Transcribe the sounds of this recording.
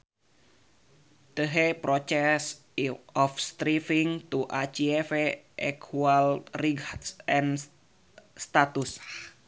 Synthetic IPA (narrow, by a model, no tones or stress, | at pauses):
t̪əɦepɾɔt͡ʃɛs | ɔfst̪ɾifiŋt̪uʔat͡ʃiɛfeʔɛkʰualriɡatsɛn | st̪at̪us